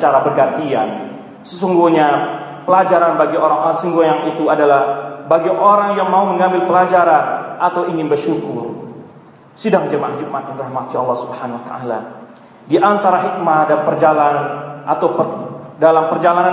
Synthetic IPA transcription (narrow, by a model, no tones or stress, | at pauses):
sət͡ʃaɾabərɡant̪ian | səsuŋɡuhɲa | pəlad͡ʒaɾanbaɡioɾaŋsuŋɡujaŋit̪uadalahbaɡiʔoɾaŋjaŋmauməŋambɪlpəlad͡ʒaɾanat̪awiŋɪnbərʃukʊr | sidaŋd͡ʒəmaahd͡ʒuk̚mat̪̚anɾahmat̪ialːɑhsu̥bhanwat̪ə̰ʔala | diʔant̪aɾahik̚madanpərd͡ʒalannʔat̪awpədalampərd͡ʒalana